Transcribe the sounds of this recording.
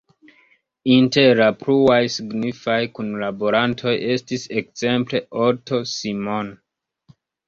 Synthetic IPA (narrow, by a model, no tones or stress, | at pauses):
inteɾapɾuajsiɡnifajkunlabo̞ɾantʰo̞je̞stise̞kz̥e̞mple̞ʔo̞to̞simon